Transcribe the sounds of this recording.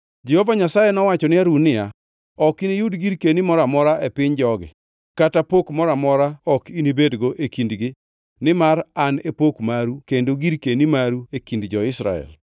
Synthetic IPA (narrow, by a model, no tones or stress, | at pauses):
d͡ʒɛhovaɲasajɛnɔwat͡ʃɔnɪaɾunɪja | ɔkinijudɡiɾkenimɔɾamɔɾaʔɛpɪɲd͡ʒɔɡɪ̰ | katapokmɔɾamɔɾaɔkinibedɡoʔekindɡɪ | nɪmaɾanepokmaɾukendoɡiɾkenimaɾuekindd͡ʒɔɪsɾa̰ɛ̰l